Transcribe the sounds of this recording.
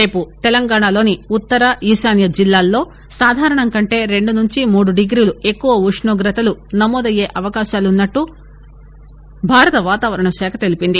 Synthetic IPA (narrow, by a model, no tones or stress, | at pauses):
ɾe̞ːput̪elɐŋɡaːɳalo̞ːniut̪ːɐɾɐiːʃaːnjɐd͡ʒilːaːlːo̞ː | saːd̪ʱaːɾɐɳɐŋkɐɳʈe̞ːɾe̞ɳɖunuɲt͡ʃimuːɽuɖiɡɾiːlue̞kːuʋɐuʂɳuːɡɾɐt̪ɐlunɐmːoːd̪ɐjːe̞ːʔɐʋɐkaːʃaːlunːɐʈːu | bʱaːɾɐt̪ɐʋaːt̪aːʋɐɾɐɳɐʃɛːkʰɐt̪e̞lipind̪i